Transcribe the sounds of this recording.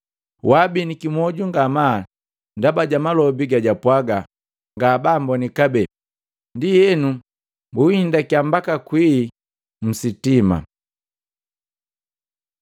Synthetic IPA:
wabinikimɔɟuŋɡama | ndabaɟamalɔbiɡaɟapwaɡa | ŋɡaːbambɔnikabɛ | ndijɛnu | mbuhindakiambakakwiː | m̩sitima̰

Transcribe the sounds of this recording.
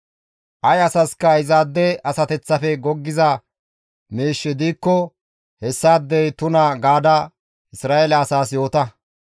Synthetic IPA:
ʔɐjɐsɐskːɐɪzaːd̪ːɛɐsɐt̪ɛt͡sːɐfɛɡɔɡːɪzɐ | meːʃːɪd̪iːkːɔ | hɛsːaːd̪ːɛjt̪ʊnɐɡaːd̪ɐ | ʔɪsɾaːɛlɐːsaːs̬jo̞ːt̪ɐ

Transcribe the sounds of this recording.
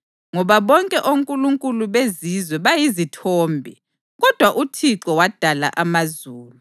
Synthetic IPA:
ŋɔβaβɔŋkʼɛʔoŋkʼuluŋkʼuluβezizwɛβajizitʰɔːmbʱɛ | ɣɔd̥ʱwaʔutʰiǁɔwad̥ʱala̰ʔamazuːlu

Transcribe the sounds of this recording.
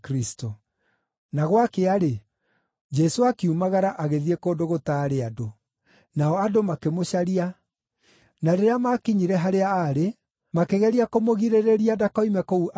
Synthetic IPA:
kɾisto | naɣwakeaɾe | d͡ʒɛsoakiumaɣaɾaʔaɣeðiekoːndoɣotaɾeado | naɔadomakemoɕaɾia | naɾeɾeamakiɲiɾɛɦaɾeaːɾe | makeɣɛɾiakomoɣiɾeɾeɾiadakɔimɛkouʔ

